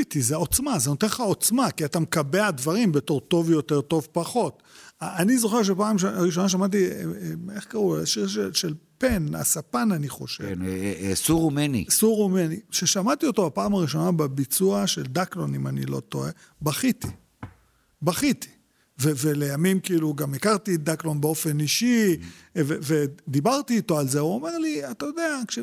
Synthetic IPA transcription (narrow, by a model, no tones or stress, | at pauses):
it̪izeo̞t͡smazenot̪enχaot͡smakiat̪amekabead̪vaʁimbet̪o̞ʁt̪o̞vjo̞te̞ʁt̪o̞vpaχo̞t̪ | aanizo̞χe̞ʁʃ̬epaːmʃaʁiʃ̬o̞naʃ̬amat̬i | eχkaʁuaʃiʁʃeʃelpe̞na̰sapananiχo̞ʃḛvsuʁumenḭsuʁumeniʃeʃamat̪io̞t̪o̞apaːmaʁiʃo̞nababit͡suaʃeld̪aklonimanḭlo̞̰t̪o̞e | baχit̪i | baχit̪i̥ | vevele̞jamimkiiluɡamekaʁt̪id̪aklo̞nbeo̞fe̞niʃi | veved̪ibaʁt̪iːt̪o̞alze̞uome̞ʁliat̪ajo̞d̪eakʃe